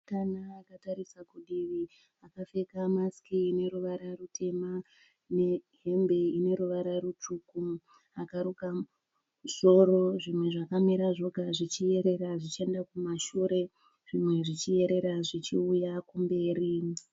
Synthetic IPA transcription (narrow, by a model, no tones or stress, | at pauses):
kanaːkataɾisakuɗiʋi | akafe̞kamaskiːne̞ɾuʋaɾarutʰe̞ma | neɦe̞mbe̞ine̞ɾuʋaɾaɾut͡ʃuːku | akaɾuka | z̥o̞ɾo̞ʐimwe̞ʐakamiɾaʐo̞ɡʱaʐit͡ʃije̞ɾe̞ɾaʐit͡ʃie̞ndakumaʃuɾe̞ | ʐ̥imwe̞ʐit͡ʃije̞ɾe̞ɾaʐit͡ʃiujakumbe̞ːɾi